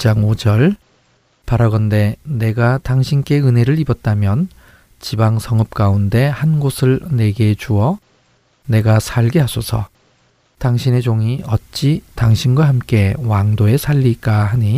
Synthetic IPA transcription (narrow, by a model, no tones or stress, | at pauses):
t͡ɕ͈aŋod͡ʑʌɭ | paɾaɡʌnde̞ne̞ɡataŋɕʰink͈e̞ɯne̞ɾɯɾibʌt̚t͈amjʌn | t͡ɕibaŋsʰʌŋɯp̚k͈aunde̞hanɡosʰɯɭne̞ɡe̞t͡ɕuʌ | ne̞ɡasʰaɭɡeɦasʰosʰʌ | taŋɕʰine̞d͡ʑoŋiʌt̚t͡ɕ͈itaŋɕʰinɡwaɦamk͈e̞waŋdoe̞sʰaʎːik͈ahaɲi